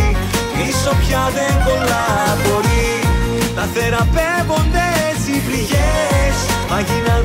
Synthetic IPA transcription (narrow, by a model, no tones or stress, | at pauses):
miso̞pçɐðeŋɡo̞lɐɾɐbo̞ɾi | nɐθe̞ɾɐpevo̞nd̪esivliʝesmɐʝinɐ